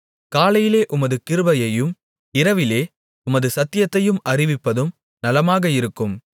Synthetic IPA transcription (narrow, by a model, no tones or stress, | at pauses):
kaːlɐjɪleːʔʊmɐðɯkɪɾɯbɐjɐjɯm | ɪɾɐʋɪleː | ʊmɐðɯsɐt̪ːɪjɐt̪ːɐjɯmɐrɪʋɪpːɐðɯm | nɐlɐmaːɣɐɪɾɯkːɯm